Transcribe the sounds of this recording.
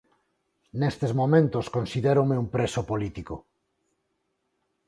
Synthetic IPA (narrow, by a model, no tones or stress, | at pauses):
nest̪ezmomẽnt̪oskonsiðeɾomeumpɾesopolit̪iko